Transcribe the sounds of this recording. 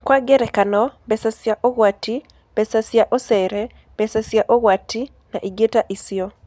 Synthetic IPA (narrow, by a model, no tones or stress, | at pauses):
kwaɡɛɾɛkanɔbɛsasjaʔoɣwati | b̥ɛsasjaʔosɛɾɛ | b̥ɛsasjaʔoɣwatʰi | naʔiɡetaʔisjɔ